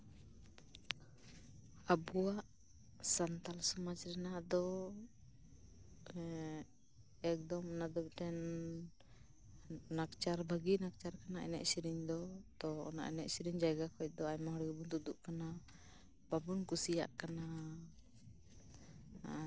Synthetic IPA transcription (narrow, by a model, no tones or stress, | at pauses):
abuwaʔ | sant̪alsɔmad͡ʒɾɛnaʔd̪ɔ | ɛk̚d̪ɔmnad̪əp̚ʈ̪ɛn | akt͡ʃaɾbʱəɡinak̚t͡ʃaɾkanaɛ̰nɛ̰ʔsiɾiɲd̪ɔt̪ɔːna̰ʔɛnɛʔsiɾiɲd͡ʒajɡakɔc̚d̪ɔajmaɦɔɽɡɛbunt̪ud̪uʔkana | b̥abunkusija̰ʔkana